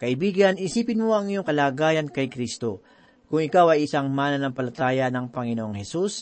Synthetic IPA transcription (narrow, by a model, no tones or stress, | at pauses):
kɐʔɪbiːɡɐnɪsiːpɪnmoʔɐŋɪjoŋkɐlaːɡaːjɐnkɐjkɾist̪o̞ | kʊŋɪkawɐjɪsaŋmaːnɐnɐŋpɐlɐt̪aːjɐnɐŋpɐŋɪnoʔoŋhɛsus